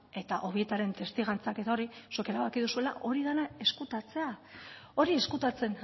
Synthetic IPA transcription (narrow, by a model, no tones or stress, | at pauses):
e̞t̪aʔo̞βie̞t̪aɾe̞nt̪e̞st̪iɣant͡sake̞t̪ao̞ɾisuke̞ɾaβakiðusue̞la̰ʔo̞ɾiðanae̞skut̪at͡se̞ao̞ɾie̞skut̪at͡se̞n